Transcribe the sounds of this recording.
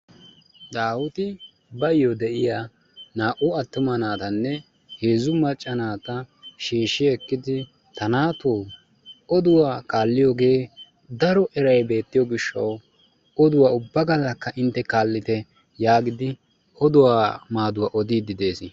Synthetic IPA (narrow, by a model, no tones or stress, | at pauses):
d̪aːwʊt̪ɪ | bɐjːɔd̪ɛʔɪjaː | naːʔʊɐt̪ːʊmɐnaːt̪ɐnːɛ | heːzʊmɐt͡ʃʼːɐnaːt̪ɐʃiːʃːɪɛkːɪd̪ɪ | t̪ɐnaːt̪oː | ɔd̪ʊwaːkaːlːɪjoːɡe̞ː | d̪ɐɾɔʔɛɾɐjbe̞ːt̪ːɪjɔɡɪʃːɐ̰w | ɔd̪ʊwaːʊbːɐɡɐlːɐkːɐʔɪnt̪ːɛkaːlːɪt̪ɛ | jaːɡɪd̪ɪ | ɔd̪ʊwaːmaːd̪ʊwaʔɔd̪iːd̪ɪd̪e̞ːsɪ